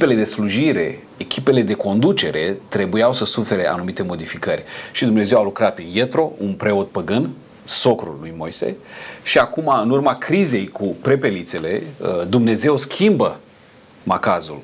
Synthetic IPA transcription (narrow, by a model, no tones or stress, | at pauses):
pe̞le̞d̪e̞sluʒiɾe̞̰ | ekʲʰipe̞le̞d̪e̞ko̞nd̪ut͡ʃe̞ɾe̞t̪ɾe̞bujawsəsufe̞ɾe̞ʔa̰numit̪e̞mo̞d̪ifikərʲʃid̪umne̞ze̞walukɾat̪̚pɾinje̞t̪ɾo̞unpɾe̞o̞t̪̚pəɡɨn | so̞kɾṵlːujmo̞̰jse̞̰ʃiakumaɨnurmakɾize̞jkupɾe̞pe̞lit̪se̞le̞̰d̪umne̞ze̞wskʲʰimbə | makazṵl